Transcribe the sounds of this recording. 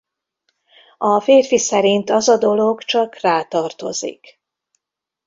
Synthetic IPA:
ɒfeːrfisɛɾint̪ɒzɒd̪o̞lo̞ɡt͡ʃɒkraːt̪ɒrt̪o̞̰zḭk

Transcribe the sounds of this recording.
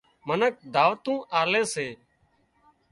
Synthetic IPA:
mənək̚d̪ʱaːʋt̪ũːʔaːleːseː

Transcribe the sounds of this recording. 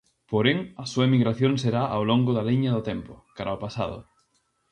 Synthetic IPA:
poɾeŋɐsuɐemiɣɾaθjoŋseɾaʔawloŋɡʊðaliɲɐðʊt̪ɛmpʊkaɾaopasa̰ðʊ̰

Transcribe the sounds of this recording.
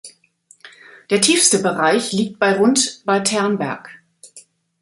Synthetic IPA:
d̥eːɐtʰiːfstəbəʁaɪçliːk̚t̚b̥aɪʁʊntb̥aɪtʰɛɐnbɛ̰ɐk

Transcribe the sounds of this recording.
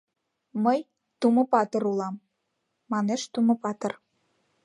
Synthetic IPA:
məj | t̪uməpɑt̪ə̆ɾulɑmː | ɑneʃt̪umə̆pɑt̪ə̆r

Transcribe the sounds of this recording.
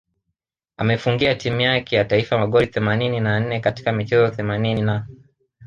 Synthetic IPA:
amɛfuŋɡiatimujakɛjataifamaɠɔɾiθɛmanininan̩nɛkati̥kamit͡ʃɛzɔθɛmaninina

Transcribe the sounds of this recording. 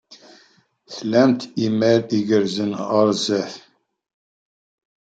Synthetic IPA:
θlæmt̪imæɾiɡəɾzənʁəɾˤzæθ

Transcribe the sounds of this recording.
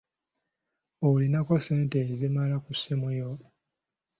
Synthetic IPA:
oulinako̞seːnteːzimalakusemujo

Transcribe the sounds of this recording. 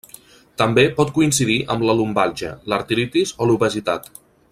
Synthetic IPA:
t̪əmbepɔt̪̚kuinsiðiʔəmləlumbalˠʒə̰ləɾt̪ilit̪izoluβəzit̪a̰t̪

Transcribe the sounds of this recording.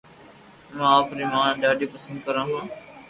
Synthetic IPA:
mãːaːpɾiːmãːɗaːɖiːpəsə̃nd̪̚kəɾãːɦãː

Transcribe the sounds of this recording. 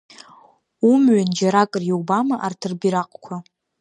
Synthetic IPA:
umɥand͡ʒaɾakʼərjowbamaʔartʰɨrbiɾaqʼkʷʰa

